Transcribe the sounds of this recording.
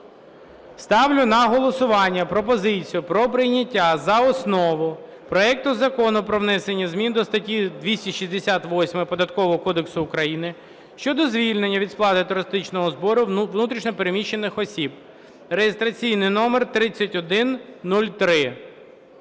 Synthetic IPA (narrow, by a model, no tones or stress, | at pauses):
st̪ɑwlʲʊnɐɦɔlˠɔsʊʋɑnʲːɐpɾɔp̬ɔzɪt͡sʲijʊpɾɔpɾɪjnʲɐtʲːazɐɔsnɔʋʊ | pɾɔɛk̚t̪ʊzɐkɔnʊpɾɔʋnɛsenʲːɐzmʲind̪ɔst̪ɐtʲid̪ʋʲisʲtʲiʃizʲd̪esʲat̪ʋɔsʲmɪpɔd̪ɐt̪kɔʋɔɦɔkɔd̪eksʊːkɾɐjinɪ | ʃt͡ʃɔd̪ɔzʋʲilʲne̞nʲːɐʋʲid̪splˠɑt̪ɪt̪ʊɾɪst̪ɪt͡ʃnɔɦɔzbɔɾʊwnut̪ɾʲiʃnʲɔpeɾemʲiʃːe̞nɪxɔsʲib | rejest̪ɾɐt͡sʲijnɪjnɔmert̪ɾɪt͡sʲːɐtʲɔd̪ɪnːulʲt̪ɾɪ